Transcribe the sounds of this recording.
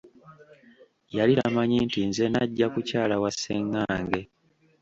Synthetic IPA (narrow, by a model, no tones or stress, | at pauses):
jaliɾa̰maɲintinze̞naɟːakucaːlawasːeŋːaːŋɡe̞